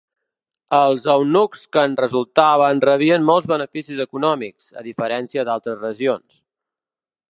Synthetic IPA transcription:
əlˠzəwnukskənrəzulˠt̪aβənrəβiənmɔlˠzβənəfisizəkunɔmikz̥ə̰ðifəɾɛnsiəd̪alˠt̪ɾəzrəʒions

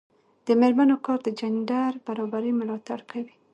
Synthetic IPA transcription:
d̪̥əmeɾmanokɑɾd̪əd͡ʒandaɾbaɾɑbaɾimʊlɑt̪aɽkawi

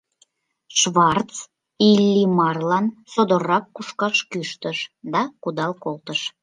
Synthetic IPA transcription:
ʃβɑrt̪t͡s | ilːimɑrlɑnsod̪orɑkːuʃkɑʃkyʃt̪əʃd̪ɑkud̪ɑlkolt̪əʃ

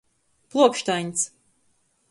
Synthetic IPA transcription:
plˠuɔkʃt̪ajɲʲs

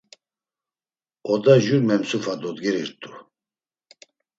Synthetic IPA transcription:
ɔd̪aʒuɾmɛmsufad̪ɔd̪ɡɛɾiɾt̪ʼu

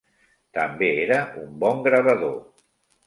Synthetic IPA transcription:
t̪əmbeeɾəumbɔŋɡɾəβəðo

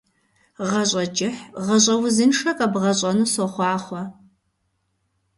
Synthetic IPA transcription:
ʁɐɕʷʼɐt͡ʃʼɪħʁɐɕʼɐwzɨnʂɐkʼɐbʁɐɕʼɐnuːsoχʷɑːχʷɔ

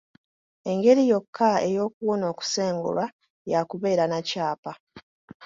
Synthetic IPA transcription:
e̞ŋɡe̞ɾijo̞kʰːaejo̞ːkuwono̞ːku̥se̞ːŋɡṵlwa | jakuβe̞ːɾanacaːpa

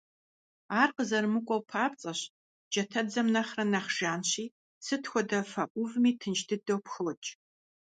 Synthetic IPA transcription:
aːrqəzɐrmɨkʷʼɔwpʰaːpt͡sʼɐɕ | d͡ʒɐtʰɐd͡zɐmnɐχrɐnɐχʒ̥aːnɕiː | sʰɨtxʷɔdɐfɐʔʷʊvmiːtʰɨnʃtʰɨdowpxɔt͡ʃʼ

